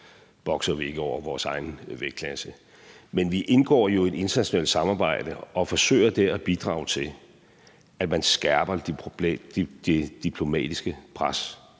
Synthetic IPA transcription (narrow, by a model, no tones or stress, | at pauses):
b̥ɒ̽ɡ̥sɐʋie̝ɡ̥əɒʊ̰ɐʋɒːsɑ̈ɪn̩ʋeɡ̥̚kʰlæsə | menʋiʔe̝nɡ̥ɒ̰ːjo̝e̝de̝nt͡sʰɐnæɕo̝nɛ̰l̰d̥sɑ̈mɑ̈ːb̥ɑ̈ɪ̰d̥əɒ̽fɒ̽sø̰ɪ̰ɐd̥eæb̥id̥ʁɑ̰̈ʊt͡sʰe̝l | æ̥mænsɡ̥æɐb̥ɐ̥ | d̥e̝d̥ipʰlo̝mɛ̰ːd̥isɡ̥əpʰʁas